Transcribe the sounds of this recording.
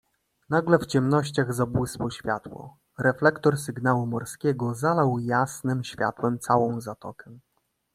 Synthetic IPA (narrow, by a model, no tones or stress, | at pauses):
naɡlɛft͡ɕɛmnɔɕt͡ɕaɣzabwɘspɔɕfʲja̰t̪wɔ̰ | ɾɛflɛkt̪ɔɾsɘɡnawumɔɾskʲɛɡɔzalawjasnɘmɕfʲja̰t̪wɛmt̪sawɔ̃w̃zat̪ɔ̰kʰɛ